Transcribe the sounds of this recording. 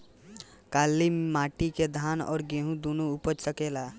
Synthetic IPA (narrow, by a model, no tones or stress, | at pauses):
kaːlːimaːʈiked̪ʱaːnɔ̰ːɾɡẽːɦũd̪onuʊpət͡ʃsəkeːlaː